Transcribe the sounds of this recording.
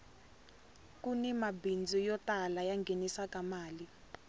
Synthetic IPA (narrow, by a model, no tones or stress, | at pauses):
kunɛmabind͡zʱɔjɔtalajaŋɡʱenisakamaːli